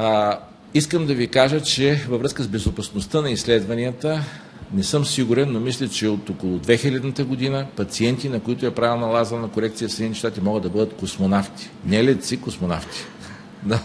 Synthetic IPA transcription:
iskəmd̪ɐvikaʒət͡ʃɛvɐvɾɤskəzbɛzopɐsnost̪ənɐislɛd̪vɐniət̪ə | nɛsɤmsiɡuɾɛnːomislʲɛt͡ʃɛot̪okolˠʊd̪vɛxilʲɛd̪nət̪əɡod̪inəpɐt̪siɛnt̪inɐkoit̪ʊɛpɾavɛlˠnɐlˠazənɐkoɾɛk̚t̪sijəfsɛd̪it̪ɛʃt̪at̪imɔɡəd̪ɐbɤd̪ət̪kosmonaft̪i̥nɛlɛt̪sikosmona̰ft̪i̥ | na

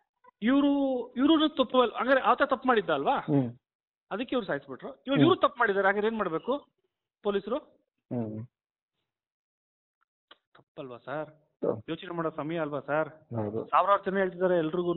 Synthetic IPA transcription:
iʋɾuiʋɾunut̪ɐpːɐʋela̰ŋɡɾeʔaʋɐt̪ːeːt̪ɐpːmaːɽid̪ːaːlʋaː | ɐd̪ɐkːeiʋɾusaːɦisbiʈɾuiʋɐiʋɾuːt̪ɐpːmaːɽid̪aːɾeaːɡiɾeːnmaːɽbe̞ːku | po̞ːlisɾu | t̪t̪ʰɐpːɐlʋasaːɾ | jo̞ːt͡ʃnemaːɽoːsɐmɐjɐːlʋasaɾɦad̪ṵsaːʋɾɐʋɐɾɐt͡ʃɐnːeɦeɭt̪̬id̪aːɾeɛlːɾiɡu

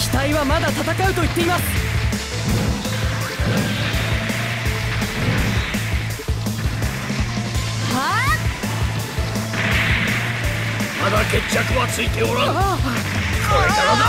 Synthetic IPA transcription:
çʲi̥t̪aiβamad̪at̪at̪akaɯ̟t̪o̞it̪ːe̞imasɨ̥ | ha | mad̪ake̞t͡ɕːakɯ̟βat͡sɨit̪eoɾa | ka

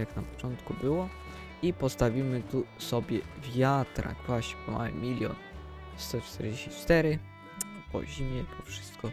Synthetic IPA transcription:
aknapɔ̥t͡ʂɔnt̪kubɘwɔ | ipɔst̪avʲimɘt̪usɔbʲjɛvʲjat̪ɾa̰kvwaɕɲɛpɔma̰wɛ̰mʲilʲjɔ̰n | st̪ɔt͡ʂt̪ɛɾd͡ʑeɕit͡ʂt̪ɛɾɘ | pɔ̰ʑimʲjɛpʰɔfʂɘ̥st̪kɔ

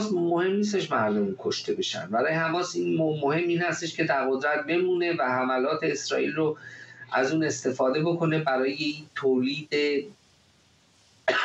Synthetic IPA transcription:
smohe̞mniːs̬t̪e̞ʃmæɾd̪omunkʰoʃt̪ʰe̞be̞ʃæ̰nd̪bæɾɒːjehæmɒːsinmːohe̞mːiːnhæst̪e̞ʃcʰʲe̞d̪æɾɣod̪ɾæt̪̚be̞muːne̞væhæmælɒːt̪ʰe̞ːsɾɒːʔḭːlroʔæzuːne̞st̪e̞fɒːd̪e̞bo̞kʰo̞ne̞bæɾɒːje̞iːnt̪ʰoːliːd̪e

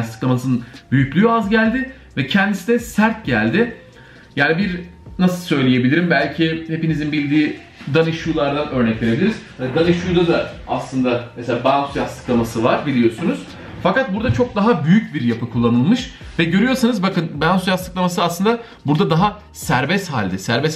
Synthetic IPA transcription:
ast̪ʰɯ̥klˠamasɯnɯnbyjycʲlʲyazɟælʲd̪ɪ | vɛcʰɛnd̪isid̪ɛsæɾt̪̚ɟælʲd̪ɪ | jaːnibiɾnasɯlˠsø̞jlʲeje̞bilʲiɾimbælʲcʰihe̞pinizinbilʲd̪iː | d̪anɯʃuːlˠaɾd̪anø̞ɾnɛclʲeɾebilʲiɾiz̥hanid̪anɯʃujd̪ad̪aaslˠɯnd̪ameselʲaːbansjast̪ɯklˠamasɯvaɾbilʲijo̞sunuz̥ | fakat̪̚buɾd̪at͡ʃʰo̞k̚d̪aɦabyjyc̚biɾjapɯkʰulˠːanɯlˠmɯʃ | vɛɟø̞ɾyjo̞ɾsanɯzbakɯnbaansjast̪ɯklˠamasɯaslˠɯnd̪a | buɾd̪ad̪aɦa | sæɾbɛst̪haːlʲd̪ɛsæɾbɛs

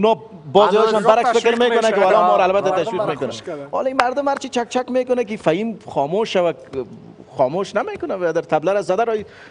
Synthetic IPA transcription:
ʊnɔ | bɔzjɔɪʃɔnbaɾakfɪkɪɾmekʊnakɪwalɔmɔɾaaːlbat̪ːat̪aʃwiqmekʊnaɔ̰limaɾd̪ʊmhaɾt͡ʃit͡ʃak̚t͡ʃakmekʊnak̬ɪifajimxɔmoʃawak | xɔmoʃnamekʊnawad̪aɾt̪ʰablaɾazad̪aɾɔi

